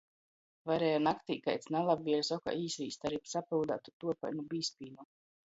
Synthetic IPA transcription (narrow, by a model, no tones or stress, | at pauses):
vaɾɛːjɔnakt̪iːka̰jt̪snalˠabviɛɾsɔka̰iːsviːst̪aɾipsapild̪a̰t̪ut̪uɔpa̰jnubiːspiːnu